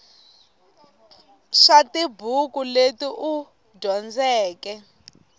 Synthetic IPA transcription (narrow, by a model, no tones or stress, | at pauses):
ʂatibʱukuletiʔu | dʱɔnd͡zɛːkɛ